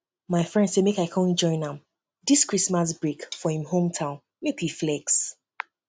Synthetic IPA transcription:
maɪfɹɛ̃ndsemekaɪkʰɔ̃nd͡ʒɔ̃ɪ̃nãm | diskɹismas̬bɹekfɔhĩmhõmtʰãʊ̃n | mekiflɛks

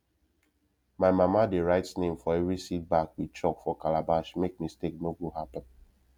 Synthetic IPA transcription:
maɪmamadeɹaɪtsnẽmfɔɛvɹisit̚bakwit͡ʃɔkfɔkalabaʃmek̚mistek̚noɡoɦapə̃n

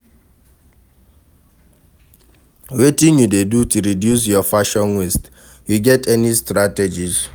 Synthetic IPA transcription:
wetinjudedutuɾidjus̬jɔfaʃɔ̃nwest | juɡɛtʰɛnistɾated͡ʒiz

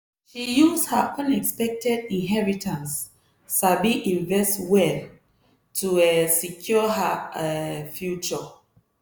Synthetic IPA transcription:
ʃijushaʔʌ̃nɛkspɛk̚tɛdĩnɦɛɹitʰãnsː | abiʔĩɱvɛstwɛl | tʰuɛsikʰjɔɦa | fjut͡ʃɔ

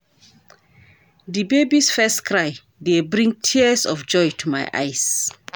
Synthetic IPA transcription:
dibebisfɛstkɹaɪ | debɹĩŋtʰiəsɔfd͡ʒɔjtʰuma̰jʔa̰ɪs

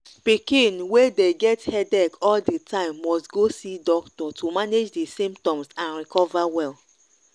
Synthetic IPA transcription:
pikĩnwedeɡɛthɛdɛkɔldetãɪ̃mːɔstɡosidɔktɔtʰumaned͡ʒdesĩmptɔ̃msãnɹikɔvawɛl

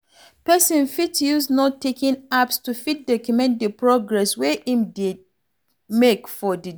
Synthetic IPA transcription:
pɛsɔ̃nfitjuznɔtʰːekĩnapstufit̚dɔkjumɛ̃ndəpɹɔɡɹɛsweʔĩmdid̚ | mekfɔdi

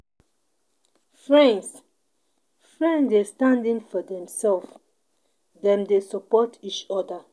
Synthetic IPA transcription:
fɹɛ̃ns | fɹɛ̃ndestãndĩŋfɔdɛ̃msɛlf | dɛ̃mdesəpɔtʰit͡ʃɔdə

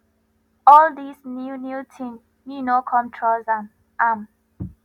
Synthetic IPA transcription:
ɔld̪isnjunjutʰĩn | nunokʰɔ̃mtʰɹolzãn | am

